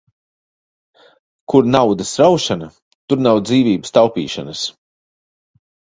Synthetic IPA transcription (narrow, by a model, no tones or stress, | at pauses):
kuɾnawd̪ɐsɾawʃana | t̪uɾnawd̪ziːvʲiːbə̥st̪awpḭːʃa̰nɐs